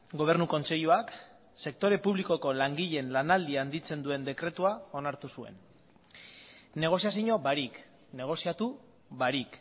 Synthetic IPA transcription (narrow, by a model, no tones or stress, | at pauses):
ɡo̞β̞e̞ɾnuko̞nt͡se̞ʎuak | se̞k̚t̪o̞ɾe̞puβliko̞ko̞laŋɡiʎe̞nlanald̪iand̪it͡se̞nd̪ue̞nd̪e̞kɾe̞t̪uao̞naɾt̪usue̞̰n | ne̞ɣ̞o̞siasiɲo̞βaɾik | ne̞ɣ̞o̞siat̪u | βaɾik